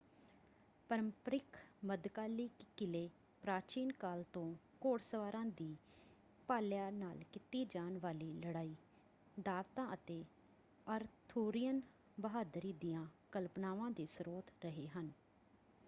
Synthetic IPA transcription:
pəɾəmpəɾɪkʰməd̪kaːliːkɪleː | pɾaːt͡ʃiːnkaːlt̪õː | koːɽsəʋaːɾãːd̪iː | paːljaːnaːlkɪt̪iːd͡ʒaːnʋaːliːləɽaːiː | d̪aːʋt̪ãːʔət̪eː | əɾt̪ʰuːɾɪjən | bəɦaːd̪ɾiːd̪ɪjãːkəlpnaːʋãːd̪eːsɾoːt̪ɾəɦeːɦən

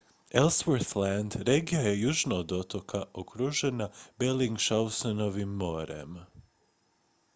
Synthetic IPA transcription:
elsʋoɾθland̪ɾeɡijaje̞juːʒnaod̪o̞t̪okʰaʔokɾuʒe̞nabeliŋɡʃawsonoʋimːo̞ːɾḛm

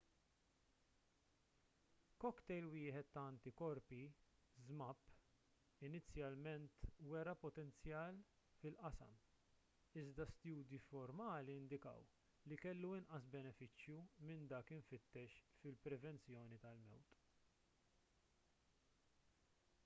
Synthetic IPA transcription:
kɔkt̪ɛjlwɪːħɛt̪ːɐɐnt̪ikɔɾpi | zmɐpː | ɪnɪt͡sːjɐlmɛnt̪wɛɾɐpɔt̪ɛnt͡sjɐːl | fɪlʔɐsɐ̰m | ɪzd̪ɐst̪juːd̪ifɔɾmɐːliɪnd̪ɪkɐ̰w | likɛlːuɪnʔɐsbɛnɛfɪt͡ʃːjumɪnd̪ɐːkɪɱfɪt̪ːɛʃfɪlpɾɛvɛnt͡sjɔːnit̪ɐlmɛ̰wt̪ʼ

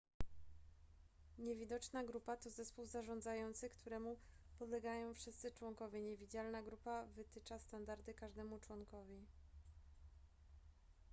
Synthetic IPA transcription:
ɲevʲid̪ɔt͡ʂnaɡɾupat̪ɔzɛspuwzaʐɔnd̪zajɔnt̪sɘkt̪ʰuɾɛmu | pɔd̪lɛɡajɔ̃w̃fʂɘst̪sɘt͡ʂwɔŋkɔvʲjɛɲevʲid͡ʑalnaɡɾupavɘt̪ɘt͡ʂast̪and̪aɾd̪ɘkaʐd̪ɛmut͡ʂwɔŋkɔvʲi

